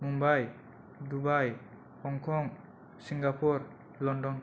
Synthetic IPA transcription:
mumbaj | dubaj | hɔŋkʰɔŋ | siŋɡapʰuɾ | lɔndɔn

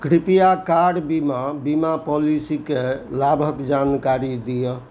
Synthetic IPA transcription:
kɾipijakaɽbimabimapɔlisikelabʱəkd͡ʒankaɾid̪ijə

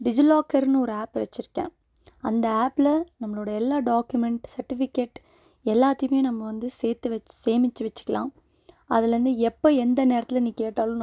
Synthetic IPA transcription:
ɖɪd͡ʒɪlaːkɐɾnɔɾɯaːpʋɛt͡ʃːɪɾɯkːḛ̃ː | ɐnd̪ɐaːplɐnɐmːɐɭoːɽɐɛlːaːɖaːkjʊmɛɳʈsɐɾʈːɪfɪkːeʈ | ɛlːaːt̪ːɐjɯmeːnɐmːɐʋɐnd̪ɯseːt̪ːɯʋseːmɪt͡ʃːɯʋɐt͡ʃːɯ̥kːɐlãː | ɐðɪlɾɯnd̪ɯɛpːoɛnd̪ɐneːɾɐt̪ːɪlniːkeːʈːaːlʊ̃n

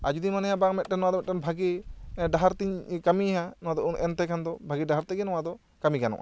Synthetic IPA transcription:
ad͡ʒud̪imanɛjabaŋmɛt̪̚ʈɛnɔwad̪ɔmɛt̪̚kanbʱaɡiɖaɦaɾt̪iɲkamiɦanɔwad̪ɔunʔɛnt̪ɛkʰand̪ɔbʱaɡiɖaɦaɾt̪ɛɡɛnɔwad̪ɔ | kamikanɔ̰ʔa̰

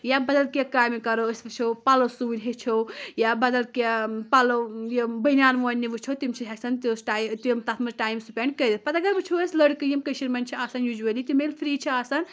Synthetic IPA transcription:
jabɐd̪ɐlkakaːjmikɐɾosbɨt͡ʃʰopalosuinʲɦet͡ʃʰowjabɐd̪ɐlkapalojebɐnʲaːnʋonːiʋɨt͡ʃʰot̪imt͡ʃʰiɦesɐnt̪isʈajt̪imt̪at̪ʰmɐɾʈaːjmsupʲeɳɖkəd̪it̪̚pɐt̪ɐɡɐɾʋɨt͡ʃʰoəslɐɽkɨjimkəsiɾmɐnt͡ʃʰiasɐnjud͡ʒuɐlit̪imelpʰɾiːt͡ʃʰiasɐn

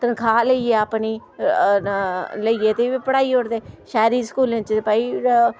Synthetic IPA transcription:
t̪ənkʰaːləieːapniː | ləiːeːt̪eːʋiːpəɽaːiːoɽd̪eːʃɛːɾiːskuːlẽːt͡ʃepaːi

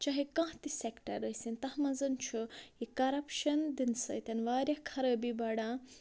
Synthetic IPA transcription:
t͡ʃɐɦikãːht̪isekʈɐ̰ɾəjsint̪ɐhmɐzɐnt͡ʃʰuikɐɾɐpʃɐnd̪insɐ̰jt̪ɐnʋaːɾʲjɐhkʰɐɾəːbibɐɽãː

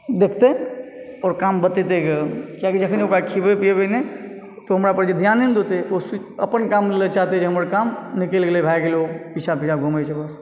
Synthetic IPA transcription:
d̪eːkʰt̪e | ɔːɾkaːmbət̪et̪eɡekjakid͡ʒəkʰəniokakʰibepijebene | t̪oɦɐmɾapəɾd͡ʒid̪ʱjaːnend̪ʱot̪eos | ə̰pənkaːmlet͡ʃaɦt̪ed͡ʒiɦəməɾkaːmnɪkelɡelebʱajkelopit͡ʃʰapit͡ʃʰaɡʱumet͡ʃʰɛbəs

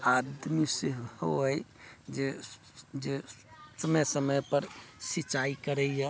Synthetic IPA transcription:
ad̪miseɦhoəjd͡ʒe | d͡ʒesəməsəməjpəɾsit͡ʃaikəɾɛja

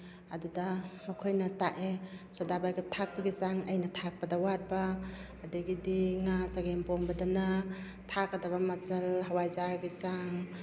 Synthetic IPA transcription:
adudamakʰojnɐtaʔesɔdabajɡʰip̚tʰak̚paɡisaŋɐjnɐtʰak̚padawat̚baː | dɯɡidiŋasaɡempɔmbɐdana | tʰakadaβamat͡ʃɐlɦawajzaɾɡisaŋ

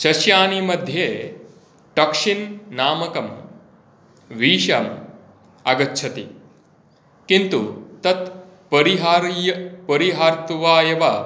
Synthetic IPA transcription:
ʃɐʃjaːnimɐd̪ʱjeː | ʈɐkʂinnaːmɐkɐm | ʋiːʃɐm | ɐɡɐtːt͡ʃʰɐt̪ḭ | kint̪ut̪ɐt̪ | pɐɾiɦaːɾjɐpɐɾiɦaːɾt̪uʋaːjɐʋa

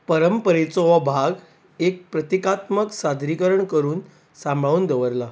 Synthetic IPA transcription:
pəɾəmpəɾet͡sɔʋabʱaɡ | ek̚pɾət̪ikat̪məksad̪ʱɾikəɾəɳkəɾuːn | sãmbʱɭaʋuːnd̪əʋəɾla

